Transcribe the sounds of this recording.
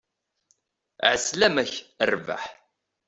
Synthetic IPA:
ʕəslæmæçərva̰ħ

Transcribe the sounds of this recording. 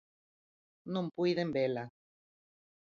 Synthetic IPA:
nõmpwiðembela

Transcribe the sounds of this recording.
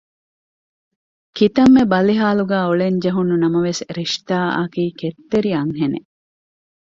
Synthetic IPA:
kit̪ɐmːebɐliɦaːluɡæːoɭeɲd͡ʒɐɦunːunɐmɐʋesɾiʃt̪aːʔɐkiːket̪ːeɾiɐŋɦenḛ

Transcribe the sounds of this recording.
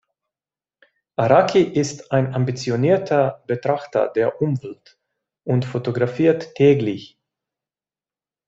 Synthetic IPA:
ʔaʁakʰiʔɪstaɪnambit͡sjoniːɐtʰɐb̥ətʁ̥aχtɐ̰deːɐʔʊmvɛlt | ʔʊntfotoɡʁafiːɐtʰːɛːɡlɪç

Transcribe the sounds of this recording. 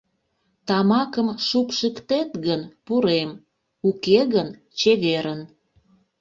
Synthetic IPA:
t̪ɑmɑkəmʃupʃəkt̪et̪ɣənpuɾem | ukeɣən | t͡ɕeɣeɾən

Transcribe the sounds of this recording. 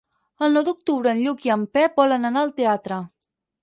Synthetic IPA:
əlˠnɔwd̪uk̚t̪uβɾəːnʎukiəmpɛbɔlənənaəlˠt̪eat̪ɾə

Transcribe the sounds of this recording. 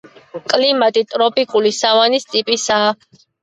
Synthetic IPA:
kʼlimat̪ʼit̪ʼɾɔpʼikʼulisavanist̪ʼipʼisa

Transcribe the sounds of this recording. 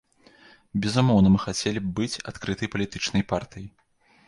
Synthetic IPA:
bʲɛzumɔwnɐmɨxat͡sʲɛlʲibbɨt͡sʲa̰t̪kɾɨt̪ɐjpɐlʲit̪ɨt͡ʂnɐjpart̪ɨji

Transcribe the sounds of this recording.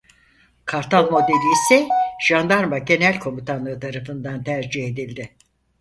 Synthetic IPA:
kʰaɾt̪ʰalˠmo̞d̪elʲisɛʒ̥and̪aɾmaɟe̞nælʲkʰo̞mit̪ʰanlˠɯɯt̪ʰaɾafɯnd̪ant̪ʰæɾd͡ʒiɦe̞d̪ilʲd̪ɪ

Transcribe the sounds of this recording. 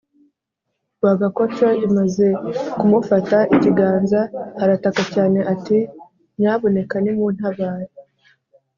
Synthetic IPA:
waɡakot͡ʃoimaze̞kumufataʔiciɡaːnzahaɾatakacaːne̞ʔati | mɲaːβo̞ne̞kanimun̥haβaːɾi

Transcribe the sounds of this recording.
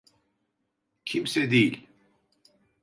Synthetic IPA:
cʰimsɛd̪ejilʲ

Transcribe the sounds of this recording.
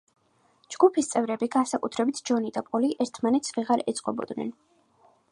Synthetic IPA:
d͡ʒɡ̥upʰist̪sʼɛvɾɛbiɡansakʼut̪ʰɾɛbit̪ʰd͡ʒɔnid̪apʼɔliʔɛɾt̪ʰmanɛt̪sʰviʁaɾɛt̪sʼqʼɔbɔ̰d̪nɛ̰n

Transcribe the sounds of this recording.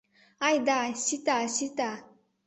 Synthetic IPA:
ajd̪aɕit̪aɕit̪a

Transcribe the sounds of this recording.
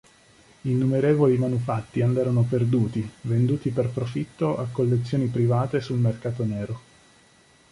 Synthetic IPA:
inːumeɾeːvolimanufat̪ːiand̪ɛːɾonoperd̪uːt̪ivend̪uːt̪iperpɾofit̪ːoʔakːolːet̪sːjoːnipɾivaːt̪esulmerkaːt̪oneːɾo

